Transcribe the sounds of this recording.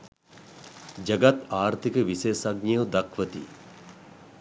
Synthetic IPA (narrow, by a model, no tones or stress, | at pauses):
d͡ʒɐɡat̪aːɾt̪ikəʋisejsɐɡnijud̪akʰʋət̪ḭ